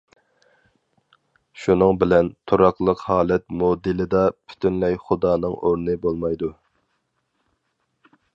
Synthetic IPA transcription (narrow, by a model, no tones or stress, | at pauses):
ʃunɨŋbɪlɛnt̪ʰuɾɑqlˠəqhɑːlˠɛt̪̚mod̪ɪlɪd̪ɑpʰy̥t̪ʰynlɛjχʊd̪ɑːnɨŋoɾnɨbolˠmɑjd̪u